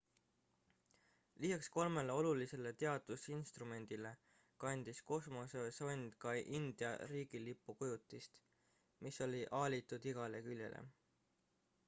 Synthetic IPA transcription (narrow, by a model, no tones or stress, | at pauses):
lisɑksko̞lme̞leo̞lulise̞le̞t̪e̞ɑd̪̥usinst̪rume̞nʲd̪̥ile̞ | kɑnʲd̪̥isko̞smo̞seso̞nʲd̪̥kɑʔind̪̥jɑ̰ɾiːɡ̥ilipːˑukujut̪ːˑist̪ | miso̞lʲiʔɑːlʲit̪ud̪̥iɡ̥ɑlekylʲje̞̰lʔḛ